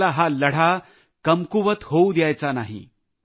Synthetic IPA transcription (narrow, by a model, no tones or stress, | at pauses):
aɦaləɽ̤a | kəmkuʋət̪houd̪jajt͡sanaɦḭ